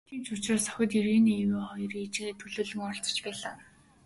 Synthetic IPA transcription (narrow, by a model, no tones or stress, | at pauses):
t̪ʰiːmt͡ɕʊt͡ɕraːsœ̥xʲɪ̆t̪iɾiːniːeweːχɔjɞ̆rit͡ɕet̪ʰɵɮɵːɮɵ̆ŋɔɬt͡sɞ̥̆t͡ɕpæːɮaː